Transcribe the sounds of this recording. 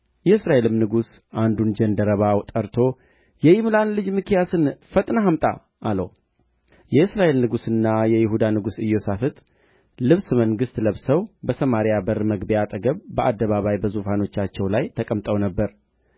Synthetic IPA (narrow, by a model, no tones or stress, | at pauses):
jɛɨsɾaʔelɨmnɨɡus | ʔand̪und͡ʒɛnd̪əɾəβawt̪ʼəɾt̪ʰo̞ | jɛjɪmɨlanlɨd͡ʒmɨkʰijasɨnfət̪ʼnaɦamt̪ʼa̰ | ʔːlə̰w | jɛɨsɾaʔe̞lnɨɡusɨnːajɛjɪɦud̪anɨɡusɨjːo̞safɨt̪ʼ | lɨβsməŋɡɨst̪ləβsəwbəsəmaɾijabəɾməɡbijat̪ʼəɡəβbəʔad̪ːəβaβajbəzufano̞t͡ʃːat͡ʃːɛwlajt̪ʰəkʼəmt̪ʼəwnəbːəɾ